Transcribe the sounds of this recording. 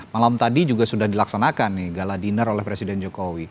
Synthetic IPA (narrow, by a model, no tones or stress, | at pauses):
malamt̪adid͡ʒuɡasudahdilaksanakanːɪhɡaladinərolɛhpɾesidɛnd͡ʒokowi